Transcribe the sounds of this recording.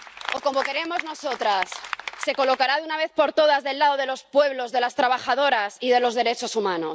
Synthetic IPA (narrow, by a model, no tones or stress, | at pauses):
o̞ko̞mo̞ke̞ɾe̞mo̞zno̞so̞t̪ɾasːe̞ko̞lo̞kaɾaðeunaβ̞e̞θpo̞ɾt̪o̞ð̞azðelːaðo̞ð̞e̞lo̞spwe̞βlo̞zðe̞last̪ɾaβ̞axaðo̞ɾasiðe̞lo̞zðe̞ɾe̞t͡ʃo̞sumãno̞s